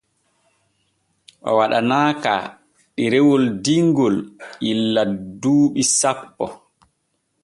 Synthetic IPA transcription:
ʔɔ̰waɗanaːka̰ | ɗiɾɛwɔldiŋɡɔlʔilːaduːɓisapːɔ

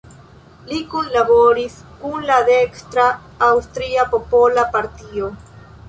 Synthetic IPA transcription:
likunlaβoɾiskunlad̪ekst̪ɾaː | wst̪ɾiapopolapaɾt̪io

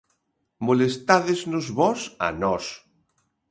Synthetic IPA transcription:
molest̪aðeznʊzβɔsa̰nɔs

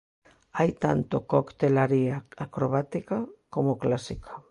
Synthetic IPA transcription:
ajt̪a̰nt̪okokt̪elaɾiaakɾoβ̞at̪ikakomoklasikḁ

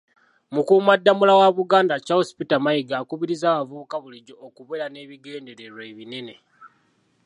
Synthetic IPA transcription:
mukuːmadːamulawaβuɡaːndacahosi̥pitamajiɡaːkuβiɾizaːβavuukaβuliɟo̞ːkuβeɾane̞βiɡe̞ːnde̞ɾe̞ɾwe̞ːβine̞ne̞

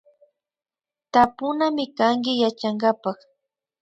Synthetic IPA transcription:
t̪apʊnamɪkaŋkɪjat͡ʃaŋɢapɑχ

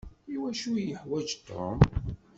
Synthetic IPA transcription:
iwæʃujəħwæd͡ʒt̪ʰːo̰m

